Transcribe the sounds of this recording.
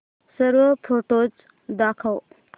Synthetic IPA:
səɾwəpʰoʈod͡ʒ | d̪akʰaw

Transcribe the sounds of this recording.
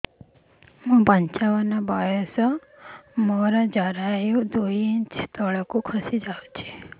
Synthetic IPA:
mũpəɲt͡ʃaʋənabajɔsɔ | mɔɾad͡ʒaɾajũd̪ojint͡ʃt̪ɔɭkũkʰəsid͡ʒaʋt͡ʃʰe

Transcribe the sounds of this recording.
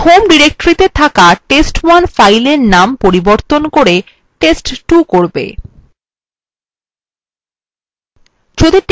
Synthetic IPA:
homɖiɾek̚ʈɾit̪et̪ʰakaʈesʈwanfajleɾnampoɾiboɾt̪onkoɾe | ʈesʈʈukoɾbḛ | t͡ɕʰod̪eʈ

